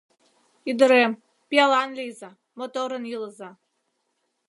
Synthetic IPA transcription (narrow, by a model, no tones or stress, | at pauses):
id̪ə̆ɾem | pʲiɑlˠɑnlʲejza | mot̪oɾə̆njilˠəza